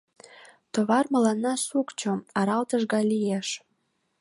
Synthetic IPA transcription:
t̪oβɑrmɤ̆lɑnːɑsukt͡ɕŏɑɾɑlt̪əʒɡɑlijeʃ

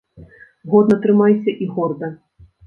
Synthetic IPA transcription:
ɣɔd̪̚nɐt̪ɾɨmajsʲɐʔiɣɔrd̪ɐ

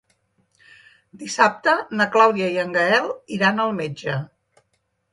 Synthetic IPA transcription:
d̪isap̚t̪ənəklawðiəiəŋɡəɛlˠiɾanəlˠmed͡ʒə

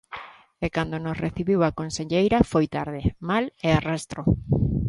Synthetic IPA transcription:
ekand̪onosreθiβiwakonseʎejɾafojt̪aɾð̞emalearest̪ɾo

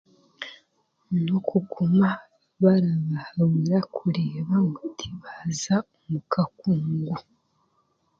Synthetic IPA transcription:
nokʰukʰuma | βaɾaβahawiɾakʰuɾeːβaŋɡɡotʰiβazaomukʰakuːŋɡu

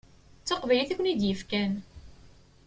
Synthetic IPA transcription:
t͡sːɑqvæliθækʷnid̪jəfkæn

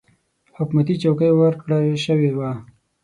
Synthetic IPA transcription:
hʊkmat̪it͡ʃawkəjwəɾkɽaʃəwewa

